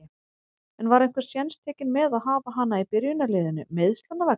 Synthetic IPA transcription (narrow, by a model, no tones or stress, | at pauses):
ɛnvaɾejŋ̥kvɛ̥sjɛnst̪ʰɛːcɪnmɛðaðɦaːvaɦanːaipɪɾjʏnalɪːðɪnʏ̰meːðst̪lanːavɛk